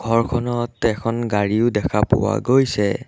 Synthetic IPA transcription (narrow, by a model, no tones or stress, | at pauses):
ɡʱɔɹkʰɔnɔtɛkʰɔnɡaɹiʊdɛkʰapʊ̰wa̰ɡojsɛ